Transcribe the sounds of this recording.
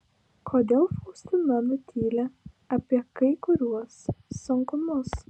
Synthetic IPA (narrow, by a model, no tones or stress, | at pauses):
kʰoːd̪ʲeːlˠfuːsʲt̪ʲʊmɐmʊt̪ʲʰiːlʲɛ | ɐpʲiɛkɐɪkʊɾʲuɔsːʊŋkʊmʊs